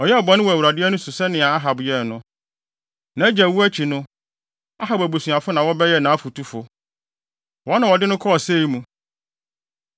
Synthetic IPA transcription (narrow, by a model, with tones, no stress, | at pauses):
ɔ˨jɛ˦ɔ˨bɔ̃˨nɪ̃˦wɔ˨æ˨u˨ɾa˨dɪ˦ɛ˦nʊ̃˦su˨sɛ˦nɪ̃˨a˨a˦ɦa˨bjɛ˦˨nʊ̃˦ | nã˨˦d͡ʑɛ˨wu˦æ˦t͡ɕʰi˨nʊ̃˦ | a˦ɦa˨bæ˨bu˨su˨a˨fʊ˦nã˨wɔ˦bɛ˦jɛ˦nã˨˦fu˨tʰu˦fʊ˨ | wɔ˨˦nã˨wɔ˨dɪ˦nʊ̃˦kʰɔ˦ɔ˨se˦i˦mũ˦